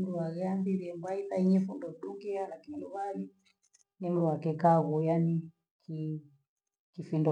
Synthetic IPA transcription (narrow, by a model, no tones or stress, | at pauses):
m̩ɾuwaɣɛambiɾiɛmbaiθaiɲɛfundɔɗuŋɡialakiluβali | nim̩ɾuwakɛkaɣujani | kʰi | kifindɔ